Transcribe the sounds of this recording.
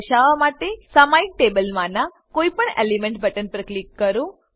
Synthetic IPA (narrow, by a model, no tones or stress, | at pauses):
ʃaʋamaʈesamaik̚ʈebəlmãnã | koipəɳḛlimeɳʈ̚bʱəʈənpɾəklikːəɾũ